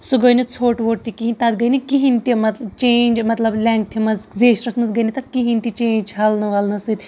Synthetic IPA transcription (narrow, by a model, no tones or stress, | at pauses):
suɡəjnit͡sʰoːʈʋoːʈt̪ikiɦinʲt̪ɐt̪ɡɐjnikiɦint̪imɐt̪t͡ʃeːnʲd͡ʒmɐt̪lɐblʲeːŋkt̪ʰimɐzzeːsʈɐsmɐnzɡɐjnit̪ɐt̪̚kiɦint̪it͡ʃẽːɲd͡ʒɦɐlnɨʋɐlnɐsɨt̪ʲ